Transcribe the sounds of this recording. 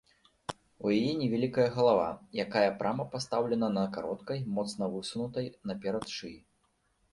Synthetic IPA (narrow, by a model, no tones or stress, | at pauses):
ujajɛnʲɛvʲalʲikɐjɐɣɐlˠava̰jakajɐpɾʔamɐpast̪awlʲɛnɐnɐkaɾɔt̪kɐjmɔt̪snɐvɨsunut̪ɐjnɐpʲɛɾɐt̪ʂɨj